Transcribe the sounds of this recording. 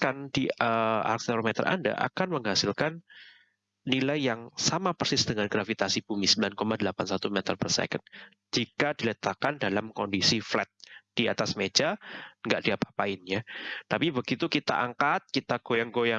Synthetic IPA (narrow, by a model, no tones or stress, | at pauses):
kandiəa̰rk̚t̪eɾomɛt̪ə̰rʔa̰nda̰ʔa̰kanməŋɦasɪlkan | nilajjaŋsamapərsɪsd̥əŋanɡɾafit̪asib̥umisəmbilankomadəlapansat̪umɛt̪ərpərsɛ̰kən | d͡ʒikadilət̪akandalamkɔndisiflɛt̪̚d̥iat̪asmed͡ʒaŋɡaʔdiapḁhpaɪnjat̪apibəɡit̪ukit̪a̰ʔaŋkat̪̚kit̪aɡ̥ojaŋɡoja